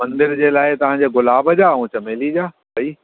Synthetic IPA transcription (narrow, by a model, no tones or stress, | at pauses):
mɐ̃nd̪ɪɾd͡ʑeːlaːɪt̪ɐʋ̤ãːd͡ʑeːɡʊlaːbəd͡ʑaːũːt͡ɕɐmeːlid͡ʑaː | bɐiː